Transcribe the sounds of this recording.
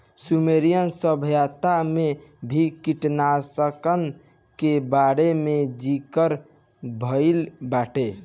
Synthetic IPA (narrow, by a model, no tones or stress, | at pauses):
sumeɾijənsəbʱjat̪amebʱikiʈnasəkən | kebaɾemed͡ʒikəɾ | bʱəɪlbaʈe